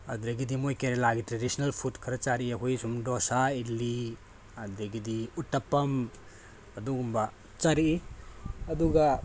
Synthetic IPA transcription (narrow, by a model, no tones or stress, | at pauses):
ɐd̪ɾeɡidimojkeɾelaɡitɾedisinɐlpʰutkʰɐɾɐt͡ʃaɾiɐɦujsumdɔsaili | ɐd̪ɾeɡidiutːɐpːɐm | ɐduɡumbɐ | t͡ʃaɾii | ɐduɡɐ